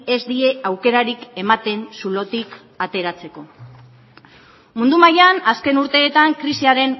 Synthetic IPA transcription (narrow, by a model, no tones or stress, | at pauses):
ezd̪ie̞awke̞ɾaɾike̞mat̪e̞nsulo̞t̪ik | at̪e̞ɾat͡se̞ko̞ | mund̪umajanaske̞nuɾt̪e̞ːt̪aŋkɾisiaɾe̞n